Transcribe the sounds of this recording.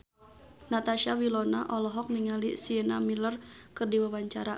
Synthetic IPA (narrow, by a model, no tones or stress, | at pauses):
nat̪aʃawilɔna̰ʔɔlɔɦɔk̚niŋalisiənamilərkɨrdiwawaɲt͡ʃaɾa